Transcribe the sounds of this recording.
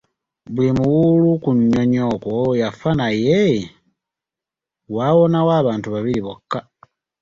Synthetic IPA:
βulimuwulukuɲːoɲokwojafanaje | waβonawaːβaːntuβaβiliβokːa

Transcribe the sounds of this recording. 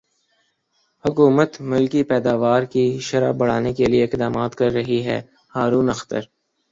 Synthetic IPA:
hʊkuːmət̪mʊlkipɛːd̪aːʋaːɾkiʃɐɾa̰bɐɽ̤aːnekelieɪqd̪aːmaːt̪kɐɾːɐɦiɦɛ̰ː | haːɾuːnɐxt̪ə̰ɾ

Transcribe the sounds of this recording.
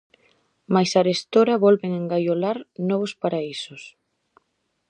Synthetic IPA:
majsaɾest̪oɾɐβɔlβeŋeŋɡajolaɾnɔβʊspaɾaisʊs

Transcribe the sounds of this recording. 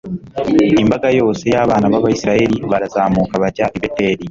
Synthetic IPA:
imbaɡajo̞ːse̞jaːβaːnaβaβajisiɾae̞ɾiβaɾazaːmuːkaβacaɾiβetːeːɾi

